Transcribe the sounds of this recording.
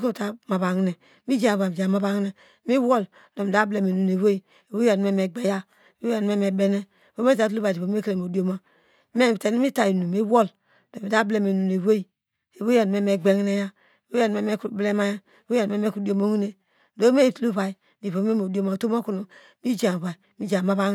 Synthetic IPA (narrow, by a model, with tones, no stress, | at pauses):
ko˦˨ta˨ma˨ba˨ŋ˦ne˨ | mi˦d͡ʒa˦˨a˨ba˨m˨d͡ʒa˨ma˨˦ba˦ŋ˦ne˨ | mi˦wo˦˨l | do˨mi˨da˦ble˨me˨nu˨ne˨we˦i˨ | e˨wo˦a˨n˨me˦me˨ɡ͡be˦ja˦˨ | wo˦a˨n˨me˦me˨be˦ne˦˨ | wo˦me˦ta˦˨tu˦lu˦a˨di˨po˨˦e˦ke˦le˨mo˨do˦ma˨ | me˦˨te˨˦n˦mi˦ta˨ji˨nu˨mi˦wo˦˨l | d̥o˨mi˨da˦ble˨me˨nu˨ne˨we˦i˨ | e˨wo˦a˦˨n˨me˦˨me˨ɡ͡be˦ŋ˦ne˦ja˦˨ | we˦a˨n˨me˦me˦kble˦ma˦ja˦˨wo˦a˨n˨me˦me˦ku˦di˦o˦mo˦ŋ˦ne˨ | do˦me˦˨tu˦lu˦βa˨i˨ | di˨po˨˦e˦mo˨do˦ma˨to˦mo˦ku˦nu˨ | mi˦d͡ʒa˨βa˨i˨mi˦d͡ʒa˨ma˦ba˦